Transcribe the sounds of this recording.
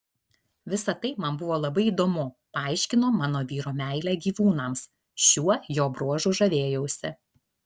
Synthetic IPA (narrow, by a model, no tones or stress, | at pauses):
ʋʲɪsɐt̪ɐɪmɐnbʊʋoːlˠɐbɐɪiːd̪oːmʊ | pɐɐˑɪʃʲkʲɪnoːmɑːnoːʋʲiːɾoːmʲæˑɪlʲæːɡʲiːʋuːnɐms | ʃʲuɔjoːbɾuɔʒʊʒɐʋʲeːjɛʊsʲɪ